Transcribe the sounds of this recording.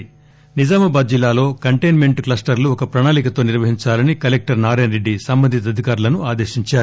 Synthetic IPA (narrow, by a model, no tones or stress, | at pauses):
nid͡ʒaːmɐbaːd̪̚d͡ʒilːaːlo̞ːkɐɳʈejnme̞ɳʈklɐsʈɐɾluɔkɐpɾɐnaːlikɐt̪o̞ːniɾʋɐɦiɲt͡ʃaːlɐnikɐlek̚ʈɐɾnaːɾeːnɾeɖːisɐmbɐnd̪ʱit̪̬ɐd̪ʱikaːɾulɐnuaːd̪e̞ːʃiɲt͡ʃaːɾu